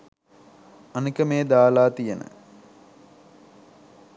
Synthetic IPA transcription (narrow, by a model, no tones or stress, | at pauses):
anikəmeːd̪aːlaːt̪ijənə̰